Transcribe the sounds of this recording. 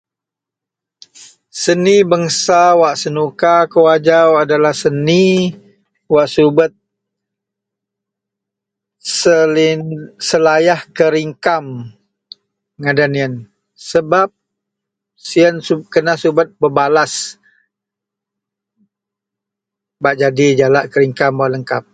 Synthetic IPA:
sənibəŋsawaʔsənukakəwad͡ʒawadalahsəni | waʔsubət̪̚ | səlinsəlajahkəɾiŋkam | ŋadaniən | səbap̚ | siənsukənasubət̪̚bəbalas | baʔd͡ʒadid͡ʒalaʔkəɾiŋkamwaʔləŋkap̚

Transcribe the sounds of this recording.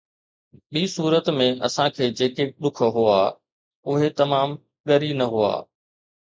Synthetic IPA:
ɓiːsuːɾət̪mẽɐsãkʰeːd͡ʑeːkeɗ̪ʊk̆ʰɦʊaː | ʊɦet̪ɐmaːm | ɠɐɾinɐɦʊa̰ː

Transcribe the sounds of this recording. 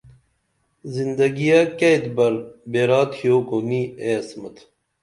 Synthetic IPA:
zind̪ɐɡijakɐjt̪bɐɾbeːɾaːt̪hijoːkoniːeɐsmɐt̪ʰ

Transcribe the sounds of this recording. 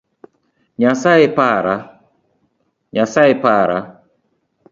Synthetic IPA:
ɲasaepaɾa | ɲasaepaːɾa

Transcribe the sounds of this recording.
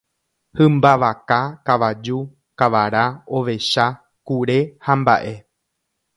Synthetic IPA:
hɨ̃mbaʋakakaʋad͡ʒu | kaʋaɾao̞ʋe̞ʃa | kuɾe̞hamba̰ʔe̞

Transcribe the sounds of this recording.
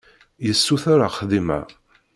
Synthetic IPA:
jəsːuθaɾaχəðimæ̰

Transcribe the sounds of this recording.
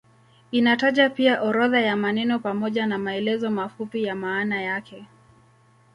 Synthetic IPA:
inataʄapiaʔɔɾɔðajamanɛnɔpamɔʄanamaɛlɛzɔmafupijamaːnajakɛ

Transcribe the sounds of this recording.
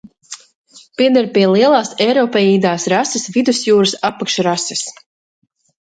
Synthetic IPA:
piɛd̪ɛɾpiɛlˠiɛlˠaːsɛjɾɔːpɛjiːd̪aːsɾasɨsvid̪usjuːɾɨsapːakʃɾasɛs

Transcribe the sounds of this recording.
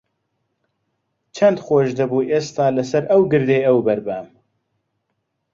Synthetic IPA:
t͡ʃʰɐnd̪xoːʃd̪ɐbuːʔeːst̪ɑːlɐsɐɾʔɐwɡɨɾd̪ejɐwbɐɾbæm

